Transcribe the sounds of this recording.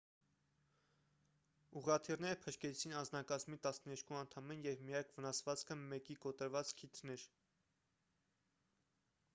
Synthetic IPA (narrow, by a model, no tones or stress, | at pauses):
uʁɑt̪ʰirnɛɾəpʰəʃkɛt͡sʰinɑnd͡znɑkɑzmit̪ɑsnəɛɾkʰuɑnt̪ʰɑmɛnjɛvmijɑkʰvənɑsvɑt͡skʰəmɛkikɔt̪əɾvɑt͡skʰit̪ʰnɛɾ